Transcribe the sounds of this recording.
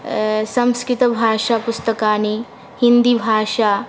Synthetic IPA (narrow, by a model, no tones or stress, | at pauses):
sɐ̃mskɾɪt̪ɐbʱaːʃapʊst̪ɐkaːni | hind̪ibʱaːʃa